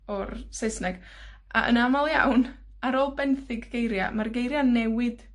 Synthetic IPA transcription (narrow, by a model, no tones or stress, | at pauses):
ɔrsejsnɛɡ̥ | ʔa̰ʔə̰namalˠja̰wn | aɾoːlˠbɛnθɪɡɡejɾja̰marɡejɾjanɛwɪd̥